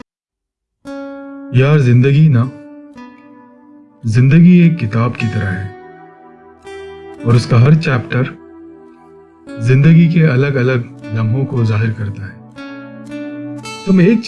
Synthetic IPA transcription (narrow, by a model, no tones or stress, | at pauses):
jaːɾzɪ̃nd̪əɡina | zɪ̃nd̪əɡieːkːɪt̪aːbkit̪ɐɾəɦɛː | ɔːɾʊskaɦɐɾt͡ʃɛːpʈəɾ | zɪ̃nd̪əɡik̬eɐləɡɐləɡlɐ̃ŋʱõkozaːɦɪɾkɐɾt̪aɦɛː | t̪ʊmeːk̚t͡ʃ